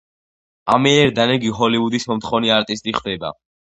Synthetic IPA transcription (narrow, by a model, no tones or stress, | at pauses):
amɛɛɾd̪anɛɡiɦɔlivud̪ismɔmt̪ʰχɔvniaɾt̪ʼist̪ʼiχd̪ɛba̰